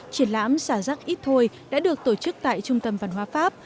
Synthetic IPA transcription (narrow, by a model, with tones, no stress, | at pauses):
t͡ɕi˨˧˩ənla̰ː˧˥msaː˧˩zaː˦˥k̚ʔi˦˥t̚t̪ʰo˧j | ɗa̰ː˧˥ɗɨ˨˩ək̚t̪o˧˩t͡ɕɨ˦˥k̚t̪a̰ː˧˨jt͡ɕʊ˧ŋ͡mt̪ə˧mvaː˧˩nɦwaː˧˦faː˦˥p̚